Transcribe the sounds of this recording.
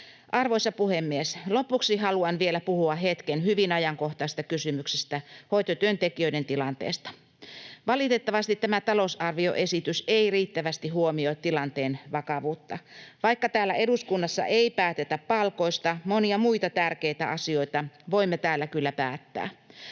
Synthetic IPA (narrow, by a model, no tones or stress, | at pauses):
ʔɑrʋoisɑpuhemːieslopuksiɦɑluɑnʋielæpuhuɑɦet̪kenhyʋinɑjɑŋko̞ht̪ɑst̪ɑkysymyksest̪æhojt̪ot̪yønt̪ekiøident̪ilɑnt̪ḛːst̪ɑ̥ | ʋɑlit̪et̪ːɑʋɑst̪it̪t̪ːæmæt̪ɑlousɑrʋio̞̰ʔe̞sit̪yseiriːt̪ːæʋæst̪iɦuomioit̪tilɑnt̪eːnʋɑkɑʋuːt̪ːɑʋɑikːɑt̪æːlːæʔeduskunːɑsːɑ̰ʔeipæːt̪et̪æppɑlko̞ist̪ɑmoniɑmuit̪ɑt̪ærkeit̪æ̰ʔɑsio̞it̪ɑʋoimːet̪æːlːækylːæpæːt̪ːæ̰ː